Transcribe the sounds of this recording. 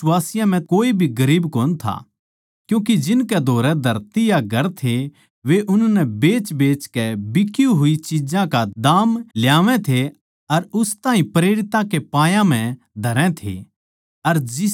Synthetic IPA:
aːsɪjãm̤ɛ̃koːibʱiɡɐɾiːbkoːnt̪ʰa̰ | kjũːk̬id͡ʒɪnkɛd̪ʱoːɾɛd̪ʱɐɾt̪ijaɡʱɐɾt̪ʰe | ʋeʔʊnnɛbeːt͡ʃbeːt͡ʃkɛbɪkjuɦʊit͡ʃid͡ʒãkad̪aːmljaːʋɛ̃t̪ʰe | ɐɾʊst̪aːɦĩpɾeːɾɪt̪ãkepaːjãm̤ɛ̃ | d̪ʱɐɾɛ̃t̪ʰḛ | ɐɾd͡ʒɪ

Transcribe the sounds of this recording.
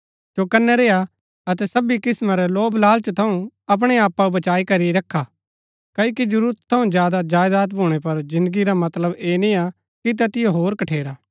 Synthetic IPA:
d͡ʒokɐnːɛɾeːa | ɐt̪̬ɛsɐbikɪsmaɾɛloːblaːlt͡ʃət̪ʰɐũɐp̬ɽ̃eaːpaubɐt͡ʃaːikɐɾiɾɐkʰːa | kɐːokid͡ʒɐɾuːɾət̪tʰːɐũd͡ʒjaːd̪ad͡ʒaːjd̪aːt̪̚bʱuːɽ̃ɛpɐɾd͡ʒɪ̃nd̪ɡiɾamɐt̪ləbeːnĩja | kit̪̬ɛt̪ɪjoɦoːɾkɐʈʰeːɾaː

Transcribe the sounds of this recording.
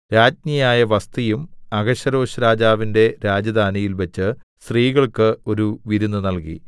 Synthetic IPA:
ɾaːd͡ʑnjɐjaːjɐʋɐst̪ijumɐɡɐɕɐɾo̞ːɕɐɾaːd͡ʑaːʋinde̞ɾaːd͡ʑɐd̪ʱaːnɐjilʋɐt͡ɕːɨst̪riːɣɐɭkɨo̞ɾuʋiɾunːunɐlkḭ

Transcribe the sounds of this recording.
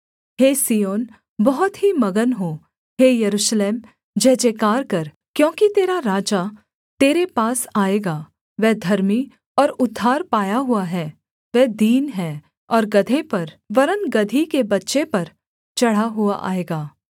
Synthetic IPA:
heːsijoːn | bɔɦʊt̪ɦimɐɡənɦoː | heːjɐɾuːʃleːm | d͡ʒɛːd͡ʒekaːɾkɐɾ | kjõːkit̪eːɾaɾaːd͡ʒa | t̪eːɾepaːsaːeːɡaː | ʋɛːd̪ʱɐɾmi | ɔːɾʊd̪ʱːaːɾpaːjaɦʊaɦɛː | ʋɛːd̪iːnɦɛː | ɔːɾɡɐd̪ʱepɐɾʋɐɾənɡɐd̪ʱikebɐtːʃepɐɾ | t͡ʃɐɽ̤aɦʊa̰ʔa̰ːeːɡaː

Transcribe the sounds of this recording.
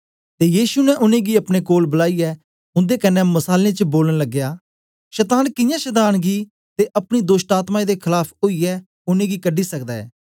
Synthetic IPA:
t̪eːjiːsunɛ̃ʔʊnẽɡiɐpɽ̃ekoːlbɐlaːijɛː | ʊ̃nd̪ekɐnːɛmɐsaːlẽt͡ʃəboːlənlɐɡːjaː | ʃɛt̪aːnkɪjãːʃət̪aːñɡiː | t̪eʔɐpɽ̃id̪oːʃʈaːt̪maid̪ekʰɪlaːpʰoːiɛ | ʊnẽːɡikəɖisɐk̚d̪aɛ̰ː

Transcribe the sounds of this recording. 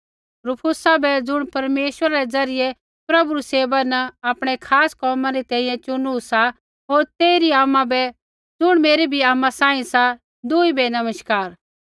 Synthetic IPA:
ɾʊpʰʊsabɛd͡zʊɽ̃pɐɾmeːʃwəɾaɾɛd͡zɐɾɪjɛ | pɾɐbuɾseːʋanɐaːpɽ̃ɛkʰaːskɔːmãɾit̪ɛ̃ːĩjɛ̃t͡ʃʊnusa | ɦoːɾt̪eːɾiaːmãbɛ | d͡zʊɽ̃meːɾibʱiaːmãsãːĩsa | d̪uːibɛnɐməʃkaːɾ

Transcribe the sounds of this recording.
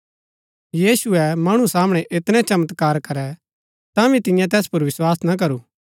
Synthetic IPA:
jiːsuɛmɐɽ̃usaːmɽ̃ɛʔɪt̪nɛ̃t͡ʃɐmət̪kaːɾkɐɾɛ | t̪ãʋit̪ɪ̃jãt̪ɛːspʊɾʋɪswaːsnɐk̬ɐɾuː

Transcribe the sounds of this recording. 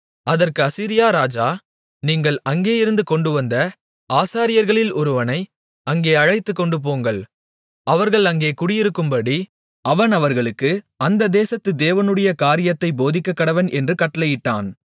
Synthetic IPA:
ɐðɐrkɯɐsiːɾɪjaːɾaːd͡ʒaː | niːŋɡɐɭɐŋɡeːɪɾɯnd̪ɯkɔɳɖɯʋɐnd̪ɐ | ʔaːsaːɾɪjɐɾɣɐɭɪlɔɾɯʋɐnɐɪ | ɐŋɡeːɐɻɐɪt̪ːɯkːɔɳɖɯp̬oːŋɡɐɭ | ʔɐʋɐɾɣɐɭɐŋɡeːkʊɽɪjɪɾɯkːɯmbɐɽi | ʔɐʋɐnɐʋɐɾɣɐɭɯkːɯ | ɐnd̪ɐd̪eːsɐt̪ːɯd̪eːʋɐnɯɽɐjɐkaːɾɪjɐt̪ːɐɪboːðɪkːɐkːɐɽɐʋɐnʔɛndrɯkɐʈːɐlɐjɪʈːaːn

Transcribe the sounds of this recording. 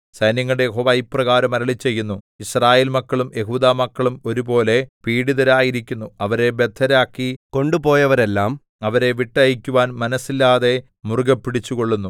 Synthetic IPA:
sɐjnjɐŋːɐɭɽejeɦoːʋaːjiprɐɣaːɾɐmɐɾɐɭit͡ɕːe̞jːunːu | israːjeːlmɐkːɐɭumje̞ɦuːd̪aːmɐkːɐɭumo̞ɾubo̞ːle̞piːɽiðɐɾaːjiɾikʲːunːuɐʋɐɾe̞be̞d̪ʱːɐɾaːkːiko̞ɳɖupo̞ːjɐʋɐɾe̞lːaːm | ɐʋɐɾe̞ʋiʈːɐjikʲːuʋaːnmɐnɐsːilːaːðe̞ | muruɡɐpːiɽit͡ɕːuko̞ɭːunːu

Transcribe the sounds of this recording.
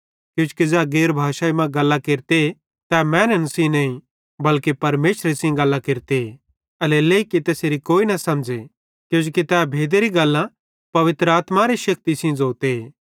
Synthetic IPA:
kjũːt͡ʃu̥kid͡zɛːɡeːɾbʱaːʃaimãɡɐlːãkeːɾt̪e | t̪ɛmɛ̃ːnɛnɐsĩːnɐĩ | bɐlkepɐɾmeːʃɾesĩɡɐlːãkeɾt̪e | ɐleleikit̪eːseɾikoːinɐsɐmd͡ʒe | kjũːd͡ʒukit̪ɛːbʱeːd̪eɾiɡɐlːã | pɐʋɪt̪ɾəaːt̪maɾeʃɐk̚t̪isĩzoːt̪e

